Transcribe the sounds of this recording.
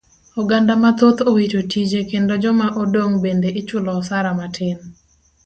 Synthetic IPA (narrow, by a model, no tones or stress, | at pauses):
oɡandamat̪ot̪owitotid͡ʒekendod͡ʒɔmaʔodoŋbendeʔɪt͡ʃʊlɔsaɾamatʰɪn